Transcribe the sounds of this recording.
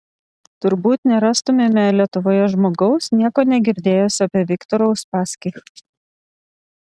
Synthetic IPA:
t̪ʊɾbuːt̪nʲɛɾɑːst̪ʊmʲemʲɛlʲiɛt̪ʊʋoːjɛʒmoːɡɐʊsnʲiɛkoːnʲɛɡʲɪɾʲd̪ʲeːjoːsʲɪɐpʲɛʋʲɪkt̪ɔɾɐʊspɑːsʲkʲɛɪ

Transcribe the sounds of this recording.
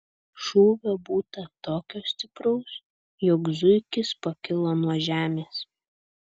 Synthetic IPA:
ʃuːʋʲobuːt̪ɐt̪oːkʲoːsʲt̪ʲɪpɾɔʊs | jɔkzʊɪkʲɪspɐkʲɪlˠɐnuɔʒʲæːmʲeːs

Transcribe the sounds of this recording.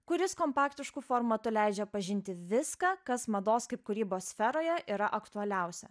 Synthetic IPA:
kʊɾʲɪskoːmpɑːkt̪ʲɪʃkʊfoːɾmɐt̪ʊlʲæɪd͡ʒʲɛpɐʒʲɪnʲt̪ʲɪʋʲɪskɑːkɐsmɐd̪oːskɐɪp̚kʊɾʲiːboːssʲfʲɛɾoːjɛʔiːɾɐʔɐkt̪ʊɐlʲɛˑʊsʲɛ̰

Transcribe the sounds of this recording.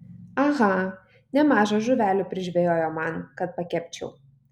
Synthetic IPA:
ɐɣɐ | nʲɛmɑːʒɐʒʊʋʲæːlʲʊːpʲɾʲɪʒʲʋʲɛjoːjoːmɑnkɐt̪̚pɐkʲɛpʲt͡ʃʲɛ̰ʊ

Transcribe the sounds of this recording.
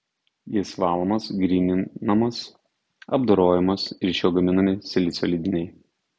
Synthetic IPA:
jɪsʋɑːlˠomɐsɡɾʲiːnʲɪnɐmɐs | ɐ̰bd̪oɾoːjɛmɐsɪɾʲʃʲoːɡɐmʲɪnɐmʲɪsʲɛlʲɪsʲolʲid̪ʲɪnʲɛɪ

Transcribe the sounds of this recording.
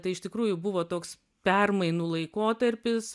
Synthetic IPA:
t̪ɐɪɪʃt̪ʲɪkɾuːjʊbʊʋoːt̪oːks | pʲɛrmɐɪnuːlˠɐɪkoːt̪ɐɾʲpʲɪs

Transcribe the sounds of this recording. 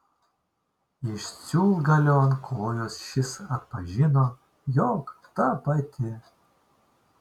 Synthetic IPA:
iʃt͡sʲuːlˠɡɐlʲonkʰoːjosʃɪsɐt̪̚pɐʒʲino | jokt̪apɐt̪ʲʰe

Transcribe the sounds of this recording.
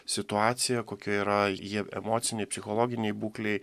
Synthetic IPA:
sʲɪt̪ʊɑːt̪sʲɪjɛkoːkʲɛiːɾɐjiɛɛ̰moːt̪sʲɪnʲɛɪpʲsʲɪxoːlˠoːɡʲɪnʲɛɪbuːklʲɛɪ

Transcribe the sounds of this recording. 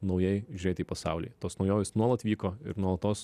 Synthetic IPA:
nɐʊjɛɪʒʲʊɾʲeːt̪ʲiːpɐsɑ̰ʊlʲḭːt̪oːsnɐʊjoːjʲɪsnuɔlˠɐt̪ʋʲiːkoːɪ̰ɾnuɔlˠɐt̪oːs

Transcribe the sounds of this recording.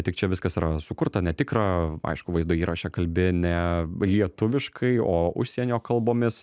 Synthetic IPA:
t̪ʲɪk̚t͡ʃʲɛʋʲɪskɐsiːɾɐsʊkʊɾt̪ɐnʲɛt̪ʲɪkɾɑɐ̰ɪʃkʊʋɐɪzd̪ʊːiːɾʔɐʃʲɛkɐlʲbʲɪnʲɛlʲiɛt̪ʊʋʲɪʃkʰɐɪoːʊ̰ʃʲsʲiɛnʲoːkɐlˠboːmʲɪs

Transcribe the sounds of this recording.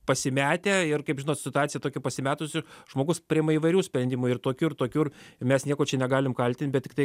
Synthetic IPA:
pɐsʲɪmʲæːt̪ʲeːɪrkɐɪpʒʲɪnoːt̪sʲɪt̪ʊɑːtt͡sʲɪjɛt̪oːkʲɛpɐsʲɪmʲæːt̪ʊsʲɪʒmoːɡʊspʲɾʲɪɛmɐiːʋɐɪɾʲuːsʲpʲɾʲɛnʲd̪ʲiːmʊɪrt̪oːkʲuːɪrt̪oːkʲuːrmʲɛsnʲiɛkoːt͡ʃʲɛnʲɛɡɑːlʲɪmkɐlʲt̪ʲɪnt̪̚ʲbʲɛt̪tʲɪk̚t̪ɐɪ

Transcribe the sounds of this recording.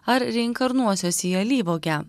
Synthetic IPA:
ɐɾɾʲɛɪ̃ŋkɐɾnuɔsʲoːsʲiːɐlʲiːʋoːkʲæ

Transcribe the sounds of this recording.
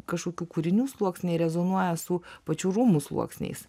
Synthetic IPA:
kɐʃkoːkʲuːkuːɾʲɪnʲuːslˠuɔksʲnʲɛɪɾʲɛzonuɔjɛsʊpɐt͡ʃʲuːɾumuslˠuɔksʲnʲɛ̰ɪs

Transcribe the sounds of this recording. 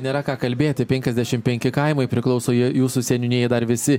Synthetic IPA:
nʲeːɾɐkɑːkɐlʲbʲeːt̪ʲɪpʲɛŋʲkʲɛzʲd̪ʲæʃʲɪmpʲɛŋʲkʲɪkɐɪmɐɪpʲɾʲɪklˠɒʊsoːjijuːsusʲɛnʲʊnʲeɛjd̪ɐɾʋʲɪsʲɪ

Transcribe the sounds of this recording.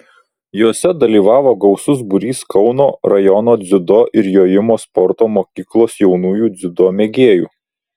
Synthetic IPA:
joːsʲɛd̪ɐlʲiːʋɑːʋoːɡɒʊsʊs̬bʊɾʲiːskɒʊnoːɾɐjɔnoːd̪zʲʊd̪oːʔɪɾjoːjɪmoːspɔɾt̪oːmoːkʲiːklˠoːsjɛʊnuːjuːd̪zʲʊd̪oːmʲɛɡʲeːjṵː

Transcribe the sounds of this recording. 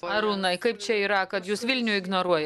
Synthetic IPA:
ɐɾuːnɐɪkɐɪpt͡ʃʲɛiːɾɐkɐt̪juːsʋʲɪlʲnʲuɪɡnoːɾuɔjɛ

